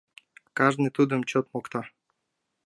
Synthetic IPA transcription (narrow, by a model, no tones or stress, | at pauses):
kɑʒnɨt̪ud̪ə̆mt͡ɕot̪mokt̪ɑ